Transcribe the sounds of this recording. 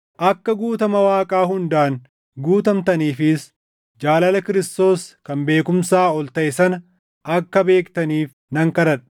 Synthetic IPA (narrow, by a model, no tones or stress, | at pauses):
ʔɐkːɐɡuːt̪ɐmɐwaːkʼaːhʊnd̪aːn | ɡuːt̪ɐmt̪ɐniːfɪs | d͡ʒaːlɐlɐkɪɾɪst̪o̞ːskɐmbe̞ːkʊmsaːɔlt̪ɐʔɪsɐnɐ | ʔɐkːɐbe̞ːkt̪ɐniːf | nɐŋkɐɾɐᶑ